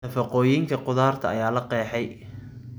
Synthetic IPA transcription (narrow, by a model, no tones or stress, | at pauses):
ɐfɐqɔːjiŋkʰɐqʊðaːrt̪ʰɐɐjaːlɐqɛːħɛj